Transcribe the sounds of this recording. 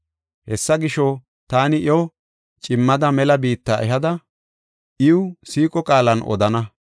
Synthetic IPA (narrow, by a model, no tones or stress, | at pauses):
hɛsːɐɡɪʃɔ | t̪aːnɪjɔw | t͡ʃʼɪmːɐd̪ɐmɛlɐbiːt̪ːaːʔɛɦɐd̪ɐ | ʔɪwʊsiːkʼɔkʼaːlɐnʔɔ̰d̪ɐnɐ